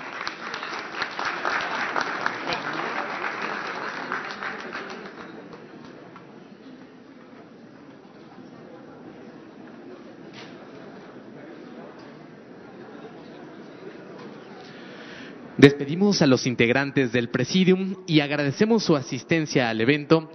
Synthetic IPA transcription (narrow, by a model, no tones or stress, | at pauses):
d̪e̞spe̞ðimo̞salo̞sint̪e̞ɣɾant̪e̞zðe̞lpɾe̞siðjumiaɣɾaðe̞se̞mo̞sːuasist̪e̞nsjaːle̞βẽ̞nt̪o̞